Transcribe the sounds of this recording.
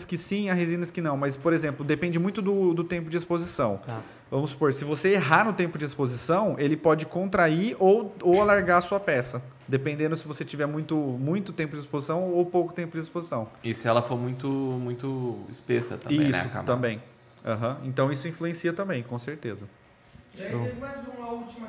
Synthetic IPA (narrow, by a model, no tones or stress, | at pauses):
skɪsĩɐɦizĩnɐskɪnɐ̃w̃mɐspoɾezẽmplʊd̪epẽnd͡ʒɪmũj̃t̪ʊd̪ʊd̪ʊt̪ẽmpʊd͡ʒɪespozisɐ̃w̃ | vɐ̃mʊspoɾsɪvoseeɦanʊt̪ẽmpʊd͡ʒɪespozisɐ̃w̃elɪpɔd͡ʒɪkõnt̪ɾaiɾʔowowalaɾɡaɾɐsuɐpɛsɐ | d̪epẽnd̪ẽd̪ʊsɪvoset͡ʃivɛɾmũj̃t̪ʊmũj̃t̪ʊt̪ẽmpʊd͡ʒɪispozisɐ̃w̃owpowkʊt̪ẽmpʊd͡ʒɪespozisɐ̃w̃ɪsɪɛlɐfoɾmũj̃t̪ʊmũj̃t̪ʊɪ̰spesɐ̰t̪ɐ̰̃bḭ̃sʊka̰mt̪ɐ̃mbẽj̃ | ã̰ɦɐ̃ẽt̪ɐ̃w̃isʊĩfluẽsiɐt̪ɐ̃mbẽj̃kõseɾt̪ezɐ | azũɐut͡ʃimɐ